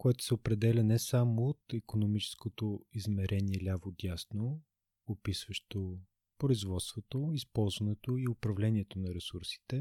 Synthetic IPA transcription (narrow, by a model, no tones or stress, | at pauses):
koɛt̪o̥sɛopɾɛd̪ɛlʲɐnɛsamoːt̪ikonomit͡ʃɛ̥skot̪oizmɛɾʔɛniɛlʲavod̪ʲjasnoː | pisvəʃt̪o | pɾoizvɔt̪st̪vot̪oispɔlˠzvɐnɛt̪oiopɾɐvlɛnʲiɛt̪onɐɾɛsuɾsi̥t̪ɛ